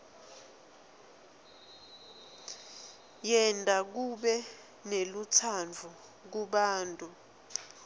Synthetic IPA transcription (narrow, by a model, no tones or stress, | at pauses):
jɛntʼak̬uɓɛ | nelut͡sʰand͡vʱu | k̬uɓaːntʼu